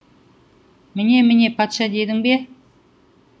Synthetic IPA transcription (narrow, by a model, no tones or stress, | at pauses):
mɪne̞mɪne̞pʰɑt̪ʃɑd̪e̞d̪ɪŋbe̞